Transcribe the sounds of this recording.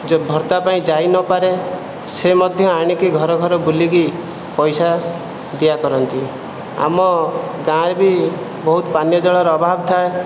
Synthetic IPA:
bʱɔɾt̪apaĩd͡ʒajnɔpaɾe | semɔd̪ʱjɔaɽ̃ikiɡʱɔɾɔɡʱɔɾɔbuliki | pɔjsa | d̪ijakɔɾɔnt̪i | a̰mɔɡãɾbi | bɔɦut̪ɔpanjɔd͡ʒɔɭɔɾɔbʱabɔt̪ʰae

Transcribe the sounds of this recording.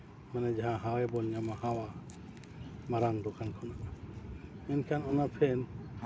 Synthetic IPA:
manɛd͡ʒaɦãɦãwɛbɔlɲamaɦãwa | maɾand̪okʰankʰɔnaʔa | ɛnkʰanɔnapʰɛn

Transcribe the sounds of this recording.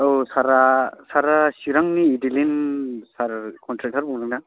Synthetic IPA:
osaɾasaɾasiɾaŋniːdilinsaɾkʰɔntɾak̚tʰaɾbuŋlaŋna

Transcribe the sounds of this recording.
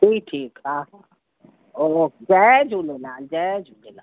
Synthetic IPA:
ʈʰiːʈʰiːkaːɦa | od͡ʒɛd͡ʒulenaːd͡ʒɛd͡ʒulena̰ː

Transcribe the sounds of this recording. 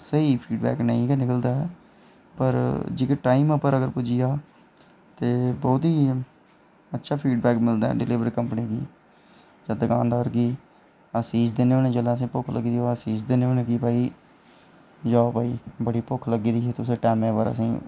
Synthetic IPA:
səiːpʰiːɖbɛ̰ːknəĩːkenɪkəld̪aːɛ | pəɾd͡ʒɪkeʈaːiməpəɾəɡəɾpʊd͡ʒɪjaː | t̪eːbɔːt̪iː | ətːʃʰaːpʰiːɖbɛːkmɪld̪a̰ɛ̰ːɖɪlɪːʋəɾikəmpniːkḭː | d͡ʒəd̪əɡã̰ːnd̪aːɾɡiː | əsiːd͡ʒd̪eːneõːnẽːd͡ʒəlaːəs̬ĩːpʊkʰlə̰ɡiːd̪iosiːd͡ʒd̪eːneoːnẽːkiːpaːiː | d͡ʒaːpaːiːbəɽiːpʊkʰləɡiːd̪iːet̪ʊsẽːʈɛːmẽːpəɾə̰sḭ̃ː

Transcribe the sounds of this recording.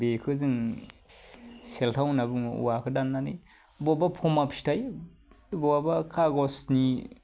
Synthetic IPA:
bekʰɯzɯŋ | seltʰawnabɯŋṵwakʰɯdanːanḭ | bɔbapʰɔmapsi̥taj | bɔabakʰaɡɔsni

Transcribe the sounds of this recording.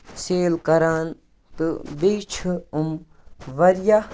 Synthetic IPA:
seːlkɐɾaːn | t̪ɨbiːt͡ʃʰuum | ʋɐɾja

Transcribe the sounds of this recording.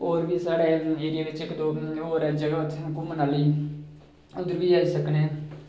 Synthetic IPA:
oːɾʋiːsaːɽeːeːɾɪjaːʋɪt͡ʃɪkd̪oːoːɾɛd͡ʒəɡət̪ʰkumənaːləiː | ʊnd̪əɾʋiːaːisəkneː

